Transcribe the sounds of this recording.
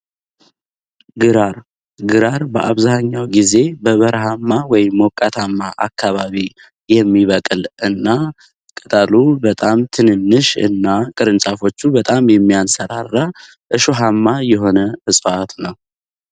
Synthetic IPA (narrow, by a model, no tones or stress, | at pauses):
ɡɨɾaɾ | ɡɨɾaɾbəʔaβzaɲːawɡize̞bəβəɾɦamːawɔjɪmːokʼat̪ʰamːaʔakʰːaβaβi | jɛmːiβəkʼɨlʔɨnːa | kʼət̪ʼalubət̪ʼamt̪ʰɨnɨnːɨʃɨ̰nːakʼɨɾɨnt͡ʃʼafo̞t͡ʃːubət̪ʼamjɛmːijansəɾarːa | ʔɨʃoɦamːajɛɦo̞nəʔɨsʼat̪nəw